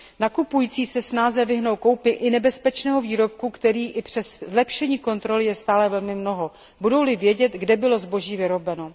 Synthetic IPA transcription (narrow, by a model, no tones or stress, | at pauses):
nakupujiːt͡siːsɛsnaːzɛvɪɦno̞wko̞wpɪʔɪnɛbɛspɛt͡ʃnɛːɦo̞viːɾo̞p̚kukt̪ɛɾiːʔɪpr̝̥ɛszlɛpʃɛɲiːko̞nt̪ɾo̞lɪjɛst̪aːlɛvɛlmɪmno̞ɦo̞ | budo̞wlɪvjɛɟɛt̪ɡdɛbɪlo̞zbo̞ʒiːvɪɾo̞bɛno̞